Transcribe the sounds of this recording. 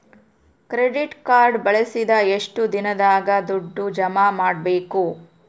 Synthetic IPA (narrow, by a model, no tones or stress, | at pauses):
kɾeɖiʈkaːɾɖbɐɭesid̪ɐeʂʈud̪inɐd̪aːɡɐd̪uɖːud͡ʒɐmaːmaːɖ̚be̞ːku